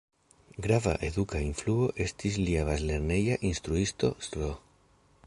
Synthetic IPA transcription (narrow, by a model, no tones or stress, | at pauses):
ɡɾava̰ʔe̞dukainfluo̞ʔe̞stis̬liaβazle̞ɾne̞jaʔinstɾuisto̞̰stɾo